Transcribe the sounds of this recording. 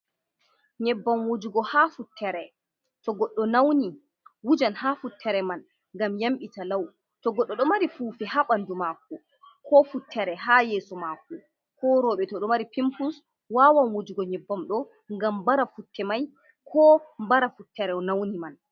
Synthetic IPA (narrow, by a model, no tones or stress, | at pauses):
ɲɛbːamwod͡ʒuɡɔhafutʰːɛɾɛ | tɔɡɔɗːɔnawni | wud͡ʒanhafutːɛɾɛman | ŋɡamjamɓitalaw | tɔɡɔɗːɔɗɔmaɾifuːfɛhaɓandumakːu | kʰɔfutʰːɛɾɛɦajɛːsɔmakːɔ | kɔɾɔɓɛtɔɗɔmaɾipimpus | wawanwod͡ʒuɡɔɲɛbːamɗɔ | ŋɡambaɾafutːɛmaj | kʰɔmbaɾafutːɛɾɛɔnawniman